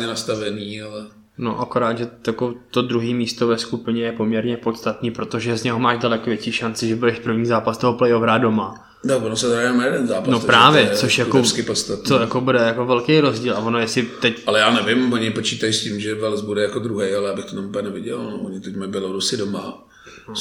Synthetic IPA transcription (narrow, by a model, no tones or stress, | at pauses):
ɲɛnast̪avɛniːalɛ | no̰ʔako̞ɾaːd̪ʒɛjakot̪o̞d̪ɾuɦiːmiːst̪ovɛskupɪɲɛjɛpo̞mɲɛɾɲɛpo̞t̪st̪at̪niːpɾo̞t̪oʒɛzɲɛɦomaːʒdalɛkovjɛt͡ʃiːʃant͡sɪʒɛbudɛʃpr̩vɲiːzaːpast̪oɦoplɛjovɾado̞ma | t̪akvonosɛt̪ɛɾajɛnmnajɛdɛnzaːpanopɾaːvjɛt͡soʃjakoskɪpost̪at̪nojakobudɛjako̞vɛlkejɾo̞zɟiːlʔavonojɛsɪt̪ɛcalɛjaːnɛvɪmvoɲɪpot͡ʃiːt̪ajscimʒɛvɛlzbudɛjakod̪ɾuɦɛjalɛjaːbɪxt̪ot̪amupɛnɛvɪɟɛlnovoɲɪt̪ɛcmɛbɪlodusɪdoma | n